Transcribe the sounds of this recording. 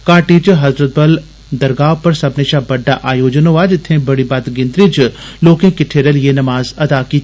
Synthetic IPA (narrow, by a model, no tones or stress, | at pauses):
kaːʈit͡ʃɦɐzɾət̪̚bɐl | d̪ɐɾɡaːʋpɐɾsɐbneʃabɐɖːaʔaːjoːd͡ʒənoʋaːd͡ʒɪt̪ʰːẽbɐɽibaːt̪ɡɪ̃nd̪ɾit͡ʃloːkẽkɪʈʰːeːɾelienɐmaːzɐd̪aːkiː